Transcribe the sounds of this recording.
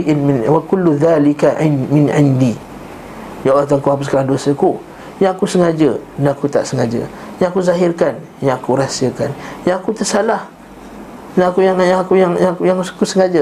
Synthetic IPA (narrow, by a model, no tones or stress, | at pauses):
ʔnmɪnwakʊlːuðalɪkamɪnʕɪndi | jaat̪aŋkuhapʊskaladosəku | jaŋakusəŋad͡ʒənaakut̪a̰ʔsəŋad͡ʒə̰ | jãŋakuzaɦɪrkan | jaŋakuɾasiakanjaŋakut̪əsalah | naakujaŋjkujaŋjakujaŋkusəŋad͡ʒə